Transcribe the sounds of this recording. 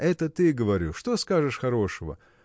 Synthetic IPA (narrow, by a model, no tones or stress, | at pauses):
ɛt̪ət̪ɨɡəvɐɾʲuʂt̪o̞skaʐɨʂxɐɾo̞ʂəvə̰